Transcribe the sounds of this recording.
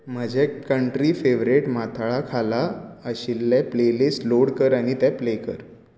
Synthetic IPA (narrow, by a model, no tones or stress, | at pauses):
m̤əd͡ʑʱekəɳʈɾifeʋɾeʈmat̪ʰaɭakʰalaəɕilːaplelisloɽkəɾaɽ̃it̪aplekəɾ